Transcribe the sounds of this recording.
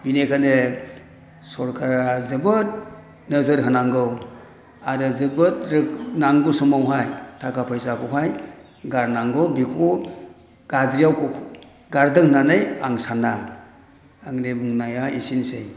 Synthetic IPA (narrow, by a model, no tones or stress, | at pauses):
binekʰane | sɔɾkʰaɾazɯbɯt̚ | nəzɯɾɦɯnaŋɡɯw | aɾɯzɯbɯtɾɯknaŋɡɯsɔmawɦajtʰakʰapʰajsakʰɔwɦaj | ɡaɾnaŋɡɯwbikʰɔ | ɡ̥adɾijawk | ɡaɾdɯŋhnanɯjaŋsana | aŋlebuŋnajaisinsej